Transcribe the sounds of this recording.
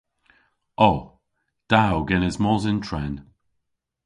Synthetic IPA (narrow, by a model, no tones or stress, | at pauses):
ɔ | d̥awɡɛnɪzmɔzɪntʰɹɛn